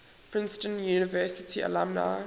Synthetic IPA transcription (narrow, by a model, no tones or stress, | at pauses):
pʰɹɪ̃nstə̃njuːnɪvɜsɪtʰia̰lãmna̰